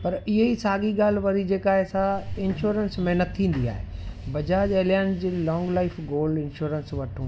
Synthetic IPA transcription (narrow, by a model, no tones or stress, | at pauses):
pɐɾɪɦeisaːɠiɡaːl̤ʋɐɾid͡ʑeːkaːɦesaɪnʃuːɾənsmɛɦnət̪̚t̪ʰːĩːn̆d̪ia̰ːɦḛbɐd͡ʑaːd͡ʑeːljaːɪnd͡ʑiːlɔ̃ːŋɡlaːɪfɡoːlɖɪ̃nʃuːɾənsʋɐʈʰũː